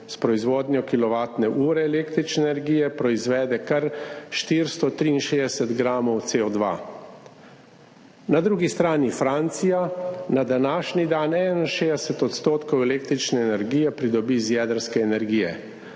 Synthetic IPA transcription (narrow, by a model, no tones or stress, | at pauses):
spɾɔizʋoːd̪nʲjɔkilɔʋaːt̪nɛʔuːɾɛːleːkt̪ɾit͡ʃnɛnɛɾɡiːjɛpɾɔizʋɛːd̪ɛkaɾʃt̪iɾst̪ɔt̪ɾiːnʃed̪ɛsɛt̪ɡɾaːmɔwt̪seːɔd̪ʋa̰ | nad̪ɾuːɡist̪ɾaːnifɾant̪sijanad̪anaːʃnid̪aːnɛnanʃeːd̪ɛsɛt̪ɔt̪st̪oːt̪kɔwɛleːk̚t̪ɾit͡ʃnɛːnɛɾɡijɛpɾid̪ɔbizjɛd̪əɾskɛːnɛɾɡiːjɛ̰